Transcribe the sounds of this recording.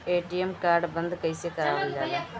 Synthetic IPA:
eːʈːijemkaːɾɖɨbɐnd̪ɨkɐjsijekːɐɾaːʋilːɐ

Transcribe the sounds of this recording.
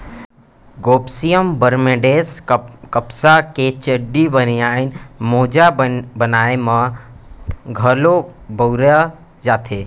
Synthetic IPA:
ɡoːpsijəmbəɾmeɖeːskəpsaket͡ʃəɖːibəniaːinmoːd͡ʒabənaːemã | ɡʱəlobəwɾa | d͡ʒaːt̪ʰeː

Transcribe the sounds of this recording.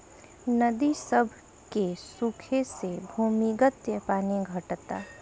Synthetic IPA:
nəd̪isəbʱ | kesukʰesebʱuːmiɡət̪jəpaːniɡʱəʈt̪a̰ː

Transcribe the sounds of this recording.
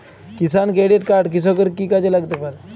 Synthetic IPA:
kisankɾeɽiʈkaɾʈk̬is̬ɔkəɾkiːkad͡ʑelaɡt̪epaɾ

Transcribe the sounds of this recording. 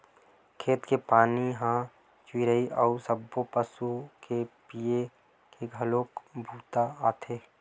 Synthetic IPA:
kʰeːt̪kepaːniɦã | t͡ʃwiːɾəiʔɔusəbːopəsukepie | keɡʱəloːkbʱuːt̪aaːt̪ʰeː

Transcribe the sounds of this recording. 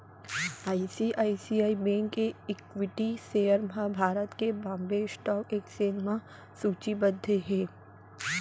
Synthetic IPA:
aːisiʔaːisiːaːibẽːŋɡkeɪkʋɪʈisejəɾmãbʱaːɾət̪kebãːmbeːsʈɔːkeːkseːnmã | suːt͡ʃibəd̪ʱːeɦeː

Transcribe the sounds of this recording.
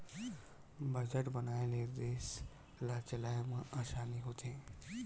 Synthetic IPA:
bʱəd͡ʑəʈbənaːeled̪eːs | lat͡ɕɐlaːjmãʔaːʃaːniɦot̪ʰẽː

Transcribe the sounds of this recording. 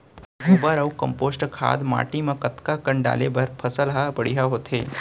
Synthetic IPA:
ɦubəɾəwkəmpoːsʈkʰa̰ːd̪ma̰ʈimãkət̪kakəɳɖa̰lebəɾpʰəsəlɦapəɽiɦaɦot̪ʰe

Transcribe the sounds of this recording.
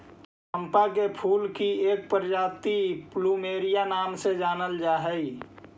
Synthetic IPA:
t | ə̃mpak̬epʰuːlkieːk̚pəɾd͡ʒaːt̪ipluːmeːɾijanaːmsed͡ʒaːnəld͡ʒaːɦəi

